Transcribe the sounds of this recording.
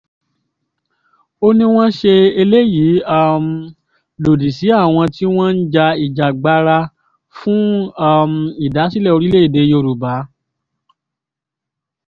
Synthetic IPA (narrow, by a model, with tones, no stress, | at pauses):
o˦nĩ˦w̃ɔ̃˦ʃe˧e˧le˦ji˨˦a˦m̩˨ | lo˨di˨si˨˦a˦˨w̃ɔ̃˧ti˦w̃ɔ̃˦n̩˦d͡ʒa˧i˨d͡ʒa˨ɡ͡ba˨˧ɾa˧ | fũ˦a˦˨m̩˨i˦˨da˨˦si˦lɛ˦˨o˧ɾi˦le˦i˦˨de˨˧jo˧˨ɾu˨ba˨˦